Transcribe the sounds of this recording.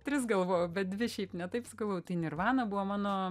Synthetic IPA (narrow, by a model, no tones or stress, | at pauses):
t̪ʲɾʲɪsɡɐlˠʋoːjobʲɛt̪̚dʲʋʲɪʃʲɛɪpnʲɛt̪ɐɪpsɐɡɐlˠʋoːjʊt̪ɐɪnʲɪrʋɑːnɐbʊʋɐmɑːnoː